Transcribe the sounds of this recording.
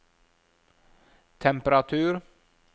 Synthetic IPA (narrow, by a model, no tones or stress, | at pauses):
t̪ʰɛmpəɾat̪ʰʉːɾ